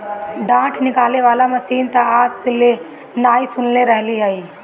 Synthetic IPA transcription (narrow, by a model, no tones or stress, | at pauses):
ɖãːʈʰnɪkaːleʋaːlamɐsiːnt̪aaːsɪle | naːisʊnleɾɐɦliaːiː